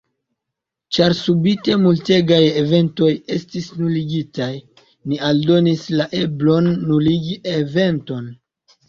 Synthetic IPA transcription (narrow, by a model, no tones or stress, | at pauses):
t͡ʃaɾsubite̞multe̞ɡajeve̞nto̞je̞stisnuliɡitaj | nialdo̞nislaʔe̞blo̞nːuliɡiʔeve̞nto̞n